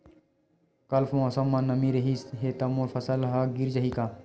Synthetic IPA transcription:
kɐlfmosɐmːanːɐmiɾɐɦisɦet̪ɐmoɾfʰɐsəlɦaɡiɾd͡ʒɐɦikaː

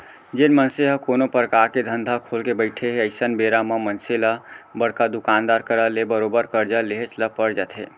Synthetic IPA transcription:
d͡ʒenmənseɦəkonopɾəkaɾked̪ʱənd̪ʱakʰolkebəɪʈʰeɦeəɪsənbeɾaməmənselabəɽkad̪ukand̪aɾkəɾəlebəɾobəɾkəɾd͡ʒəleɦet͡ʃʰləpəɾd͡ʒat̪ʰɦḛ

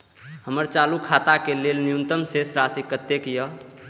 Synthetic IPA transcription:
həməɾt͡ʃalukʰat̪akelelnijunt̪əmsesɾasikət̪ːekjə

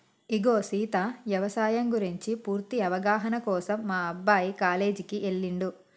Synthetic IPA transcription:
iɡoːsiːt̪aʋjɐʋɐsaːjɐŋɡuɾiɲt͡ʃipuːɾt̪iɐʋɐɡaːɦɐnɐkɔːsɐmːaːɐbːaːjikaːle̞ːd͡ʒikiʔeɭːiɳɖu

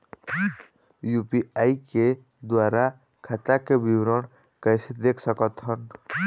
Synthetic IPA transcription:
jupiaike | d̪waɾa | kʰat̪akebiwɾɔɽ | kəjsed̪ekʰsəkɔt̪ɦɔn

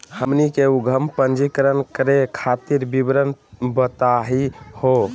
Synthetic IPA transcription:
həmnikeuɡʱəmpənd͡ʒikəɾənkəɾekʰat̪iɾbibɾənbət̪aɦiho

